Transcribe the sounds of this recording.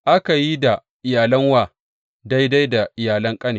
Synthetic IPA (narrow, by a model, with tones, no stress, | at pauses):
ʔa˦ka˨ji˦da˨ | ʔɪ˨jaː˨lɐ˦ŋwaː˨ | da˦jda˦jda˨ʔɪ˨jaː˨lɐ˦ŋkʼɐ˦neː˨